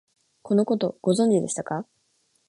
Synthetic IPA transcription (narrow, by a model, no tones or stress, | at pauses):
kʰo̞no̞ko̞t̪o̞ɡ̥o̞zõ̞ɲ̟d͡ʑid̪e̞ɕi̥t̪aka